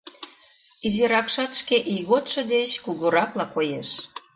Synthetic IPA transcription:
iziɾɑkʃɑt̪ʃkeʔiɣot̪ʃɤ̆d̪et͡ɕkuɣuɾɑklɑkojeʃ

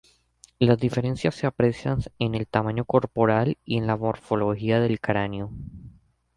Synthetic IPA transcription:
lazðife̞ɾensjasːe̞apɾe̞sjanene̞lt̪amãɲo̞ko̞ɾpo̞ɾalie̞nlamo̞ɾfo̞lo̞hiaðe̞lkɾanjo̞

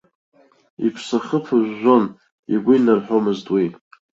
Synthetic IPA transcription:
ḭpʰsaχəpʰaʒʷːon | iɡʷʊinarħomɨztʼwi

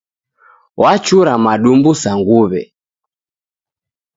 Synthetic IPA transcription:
wʔat͡ʃuɾamaɗumbusaŋɡuβɛ̰

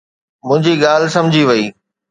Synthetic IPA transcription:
mʊ̃ɦɪ̃ɲd͡ʑiɠaːlɪsɐ̃md͡ʑʱiʋɐiː

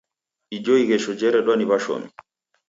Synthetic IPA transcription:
ʔid͡ʒoiɡɛʃɔd͡ʒɛɾɛɗɔniβaʃo̰mi

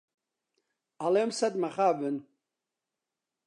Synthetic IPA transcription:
alemsad̪maχaːbɨn

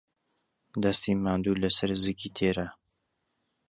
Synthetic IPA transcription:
d̪ɐst̪imaːnd̪uːlɐsɐɾzɨkʰit̪ʰeːɾɐ

